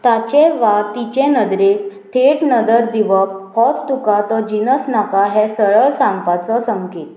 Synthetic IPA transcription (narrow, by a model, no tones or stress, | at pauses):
t̪at͡ɕɛ̃ʋat̪it͡ɕɛ̃nəd̪ɾekt̪ʰeʈnəd̪əɾd̪iʋəp̚pɔt͡st̪ukat̪ɔd͡ʑinəsnakaɦɛsəɭəɭsãŋɡpat͡sɔsəŋket̪